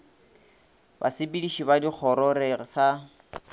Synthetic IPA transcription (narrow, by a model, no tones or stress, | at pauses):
ba̰sɪbidiʃibadik͡xʰɔɾɔɾɪsa